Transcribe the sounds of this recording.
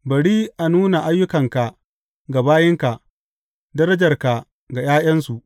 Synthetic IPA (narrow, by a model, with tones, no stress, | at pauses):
bɐ˨ɽiː˦ʔa˨nuː˦na˨ʔa˦jːʊ˦kɐ˨ŋka˨ | ɡa˨baː˦jɪ˦ŋka˨ | dɐ˦ɾɐ˦d͡ʒɐ˨rka˨ | ɡa˨jaː˦jɐ˦nsu˨ʔ